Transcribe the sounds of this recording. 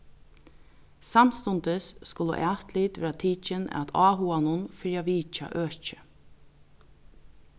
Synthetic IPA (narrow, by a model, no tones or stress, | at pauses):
samst̪ɔnt̪əsːkʊlːə̰ʔæt̪liːt̪ʋeːɾat̪ʰiːt͡ʃɪnæ̰t̪ʰɑːɦuanʊnfɪɾjaʋiːt͡ʃa̰ʔøːt͡ʃɪ̥